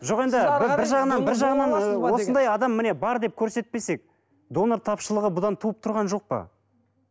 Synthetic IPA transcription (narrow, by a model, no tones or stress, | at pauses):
ʒo̞ʁe̞nd̪ɪbɪɾʒɑʁənɑnbɪɾʒɑʁənɑnbɑɾwo̞sənd̪ɑjɑd̪ɑmːɪne̞bɑɾd̪e̞p̚kʲʰɵɾse̞t̪̚pe̞se̞k̚ | d̪o̞noɾt̪ʰɑpʃəlˠəʁəbʊd̪ɑnt̪ʰuəp̚t̪ʰʊɾʁɑnʒo̞q̚pə̰